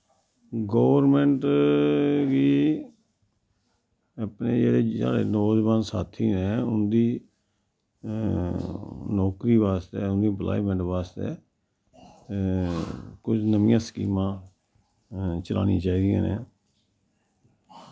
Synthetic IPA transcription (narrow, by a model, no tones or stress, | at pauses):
ɡoːʋəɾmɛ̃ɳʈ | ʋiː | əpneːd͡ʒeːɽeːa̰ːɽeːnoːd͡ʒbãːnsaːt̪ʰiːnɛːʊnd̪iː | nɔːkɾiːʋaːst̪eːʊnd̪iːmplʔa̰ːimə̃ɳʈʋaːst̪ḛː | kʊd͡ʒnəmɪ̃jãːsə̥kḭːmãː | t͡ʃəla̰ːnḭːt͡ʃaːiːd̪ijã̰ːnḛː